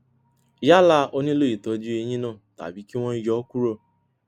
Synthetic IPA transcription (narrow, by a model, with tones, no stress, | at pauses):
ja˦la˦ʔo˦ni˦lo˦i˨tɔ˨d͡ʒi˦e˨ɲi˦nɔ˦˨ta̰˨bi˨ki˦w̃ʷɔ̃˦n˦d͡ʒɔ˦ku˦ɾo˦